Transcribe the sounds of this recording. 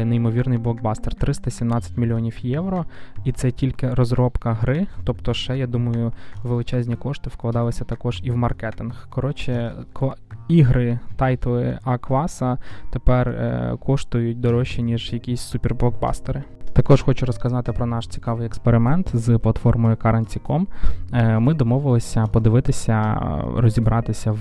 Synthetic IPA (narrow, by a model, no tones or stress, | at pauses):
nejmɔʋʲirnɪjblˠɔɡ̚bɑst̪ert̪ɾɪst̪ɐsʲimnɑt͡sʲːɐ̥tʲmʲilʲiɔnʲiwjɛwɾɔit̪sɛtʲilʲkɪɾɔzɾɔpkɐɦɾɪt̪ɔpt̪ɔʃɛjad̪umɐjʊʋelˠɪt͡ʃɛzʲnʲikɔʃt̪ɪwklˠɐd̪ɑlˠɪsʲɐt̪ɐkɔʒiwmɐrkɛt̪ɪnxkɔɾɔt͡ʃɪkiɦɾɪt̪ɑjt̪lˠɪɐkʋɑsɐt̪epɛr̰kʰɔʂt̪ʊjʊt̚ʲd̪ɔɾɔʃʲinʲiʒjɐkʲisʲsupʲerblˠɔk̚bɑ̰st̪eɾɪt̪ɐkɔʒxɔt͡ʃʊɾɔskɐzɑt̪ɪpɾɔnɑʃt͡sʲi̥kɑʋɪjɛkspeɾɪmɛnt̪zplˠɐt̪fɔrmɔjʊkɐɾɐnʲt͡sʲikɔm | mɪd̪ɔmɔʋɪlˠɪsʲɐpɔd̪ɪʋɪt̪ɪsʲɐɾɔzʲibɾɑt̪ɪsʲɐw